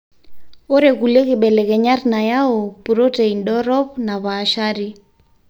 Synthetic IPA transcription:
ɔɾekulekɪɓɛlɛkɛɲarinajaɔpuɾɔteindɔɾɔp̚naβaːʃaɾi

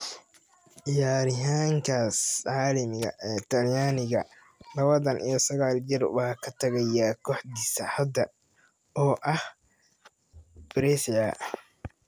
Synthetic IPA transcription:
ʕɪjaːɾɪɦaːŋkʰaːsʕaːlɐmɪɣɐ̰ʔɛːt̪ʰɐljaːnɪɣɐ | lɐβɐðɐnʔḭjɐsɐɣaːld͡ʒɪrwɑːkʰɐt̪ʰɐɣɐjakʰɔːħd̪isɐħɐd̪ɐ | ɔːʔɐh | b̥ɾɛːsɪja

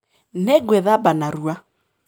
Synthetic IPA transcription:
nɛɡwɛðabanaɾua

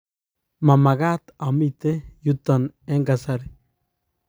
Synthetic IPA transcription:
mamaɡat̪amit̪ejut̪ːɔneŋɡasaɾi

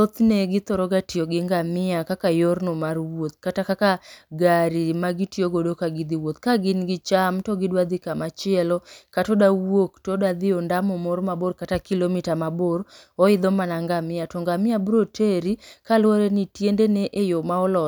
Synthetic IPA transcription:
ot̪neɡɪt̪ɔɾɔɡatioɡɪŋɡamɪakakajoɾnomarwot̪̚katakakaɡaɾimaɡitjoɡodokaɡɪd̪iwot̪kaɡɪnɡɪt͡ʃamtɔɡɪdwad̪ɪkamat͡ʃɪɛlɔkatɔdawoktɔdad̪ɪɔndamomoɾmaborkatakilomitamaboɾ | ɔɪd̪ɔmanaŋɡamɪatɔŋɡamɪabɾotʰeɾikalwoɾenitjendeneʔejomaɔlɔ

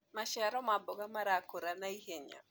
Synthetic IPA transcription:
maʃɛɾɔmabɔɡamaɾakoɾanaiɦeɲa̰

